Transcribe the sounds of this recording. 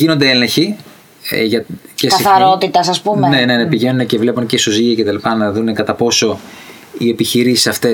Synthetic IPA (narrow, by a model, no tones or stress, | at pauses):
inond̪e̞elɐçḭ | ʝɐtcesɐiθɐɾot̪it̪ɐsɐspumenene̞nɐpiʝe̞nunece̞vle̞puncesoziʝiɐce̞t̪ɐlipɐnɐðune̞kɐt̪ɐpo̞so̞ | ie̞piçiɾisi̥sɐft̪e